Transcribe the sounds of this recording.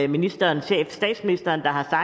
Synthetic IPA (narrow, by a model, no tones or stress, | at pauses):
minisd̥ɐːnɕḛfsd̥ɛ̰ːd̥sminisd̥ɐːnd̥ɑ̈ɦɑ̈sɑ̈